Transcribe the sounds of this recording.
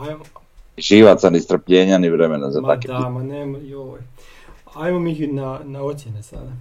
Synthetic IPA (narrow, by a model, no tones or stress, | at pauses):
ajm | ʒiʋat̪sanist̪r̩pʎɛɲanivɾɛmɛnazat̪akɛamanɛmjo | ajmomixinanaosjenesa̰d̪a